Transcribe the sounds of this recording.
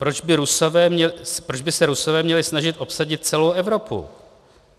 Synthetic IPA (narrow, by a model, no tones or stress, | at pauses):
pɾod͡ʒbɪɾusovɛːmɲɛspɾod͡ʒbɪsɛɾuso̞vɛːmɲɛlɪsnaʒɪt̪ʔo̞psaɟɪt̪̚t͡sɛlowʔɛvɾo̞pṵ